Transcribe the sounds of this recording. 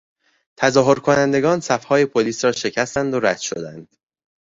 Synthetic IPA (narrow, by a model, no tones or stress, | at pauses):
t̪ʰæzɒːɦo̞ɾkʰo̞nænd̪e̞ɡɒːnsæfhɒːje̞pʰoliːsɾɒːʃe̞cʰæst̪ænd̪oɾæd̪̥ʃod̪ænd̪̥